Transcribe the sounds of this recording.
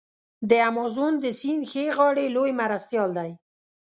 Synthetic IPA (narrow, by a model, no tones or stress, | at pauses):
d̪əamɑzund̪əsinxeɣɑɽelojmaɾast̪jɑld̪aj